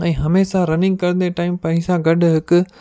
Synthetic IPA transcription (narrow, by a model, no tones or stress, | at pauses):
ɛ̃ːɦɐmeːsaɾɐnɪ̃ŋɡ̚kɐɾ̃nd̪eʈaːɪmpɐɪ̃sãɡɐɖʱʊɦɪkʊ̆